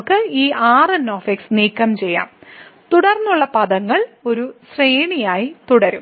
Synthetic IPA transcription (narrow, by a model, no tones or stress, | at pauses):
kːɨiːʔaːrɐnːo̞ːfeksniːkːɐmt͡ɕe̞jːa̰ːmt̪uɽɐrnːuɭːɐpɐðɐŋːɐɭo̞ɾusreːɳijaːjit̪uɽɐɾum